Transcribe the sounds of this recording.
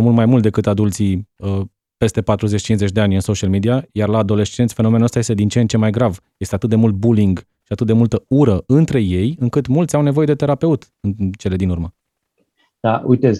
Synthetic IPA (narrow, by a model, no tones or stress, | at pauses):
mulmajmult̪̚d̪ekɨt̪ad̪ult̪siə | pe̞st̪e̞pat̪ɾuze̞t͡ʃʲt͡ʃinze̞t͡ʃʲd̪e̞anʲɨnso̞ʃialmid̪iajarlaːd̪o̞le̞st͡ʃe̞nt̪sʲfe̞no̞me̞nuəst̪aje̞st̪e̞d̪int͡ʃent͡ʃe̞majɡɾavjest̪eat̪ɨt̪̚d̪e̞mult̪̚buliŋɡ | ʃiat̪ɨt̪̚d̪e̞mult̪əuɾəɨnt̪ɾe̞je̞jɨŋkɨt̪mult̪sʲawne̞vo̞je̞d̪e̞t̪e̞ɾape̞ut̪ | ɨnt͡ʃe̞le̞d̪inurmə | d̪̥aujt̪ez